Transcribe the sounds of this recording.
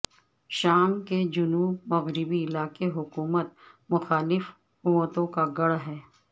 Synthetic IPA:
ʃaːmked͡ʒʊnuːbmɐɣɾɪbiɪlaːkeɦʊkuːmət̪̚mʊxaːlɪf | ʊət̪õkaɡɐɽɦɛː

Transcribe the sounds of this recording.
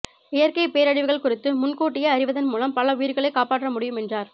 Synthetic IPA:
ɪjɐɾkɐɪpeːɾɐɽɪʋɯɣɐɭkʊrɪt̪ːɯmʊnkoːʈːɪjɐɐɾɪʋɐðɐnmuːlɐmpɐlɐʋijɪɾɯɣɐɭɐɪkːaːpaːʈːrɐmʊɽɪjɯmɛndraːɾ

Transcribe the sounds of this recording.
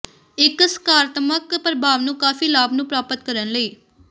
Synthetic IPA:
ɪksəkaːɾt̪məkpɾəbʱaːʋnũːkaːfiːlaːbnũːpɾaːpət̪kəɾənləiː

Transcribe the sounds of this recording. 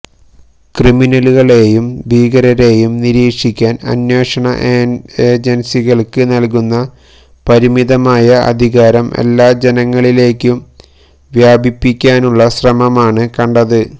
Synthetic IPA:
kriminɐluɣɐɭe̞ːjumbʱiːɣɐɾɐɾe̞ːjumniɾiːkʂikʲːaːnɐ̰njwe̞ːʂɐɳɐ̰ʔeːd͡ʑensiɣɐɭkɨnɐlkunːɐ | pɐɾimiðɐmaːjɐʔɐ̰d̪ʱiɣaːɾɐme̞̰lːaːd͡ʑe̞nɐŋːɐɭile̞ːkʲːum | ʋjaːbʱipːikʲːaːnuɭːɐɕrɐmɐmaːɳɨkɐɳɖɐðɨ

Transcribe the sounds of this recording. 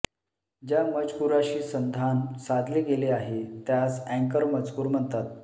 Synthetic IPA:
d͡ʑjaməd͡zkuɾaɕiːsənd̪ʱansad̪ʱliɡeleaɦet̪jasɛ̃ŋkəɾməd͡zkuːɾm̤əɳt̪at̪̚

